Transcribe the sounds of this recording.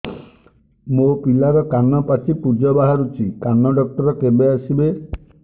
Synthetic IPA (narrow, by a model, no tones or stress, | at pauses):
mopilaɾɔkanɔpat͡ʃʰipud͡ʒɔbaɦaɾut͡ʃʰikanːɔɖɔk̚ʈɔɾɔkebeasibe